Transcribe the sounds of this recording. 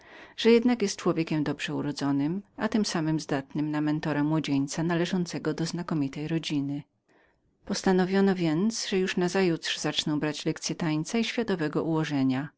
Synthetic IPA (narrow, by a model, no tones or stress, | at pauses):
ʐ̥ɛjɛd̪nakjɛst̪̚t͡ʂwɔvʲjeɛkʲɛmd̪ɔbʐ̥ɛuɾɔd̪zɔnɘmat̪ɘmsamɘmzd̪at̪nɘmnamɛnt̪ɔɾamwɔd͡ʑeɲt̪sanalɛʐɔnt̪sɛɡɔd̪ɔznakɔmʲit̪ɛjɾɔd͡ʑinɘ | pɔst̪anɔvʲjɔnɔvʲjɛnt̪sʐɛjuʂnazajut̪ʂzat͡ʂnɔ̃w̃bɾat͡ɕlɛkt̪sʲjɛt̪aɲt̪saiɕfʲjat̪ɔvɛɡɔʔuwɔʐɛɲa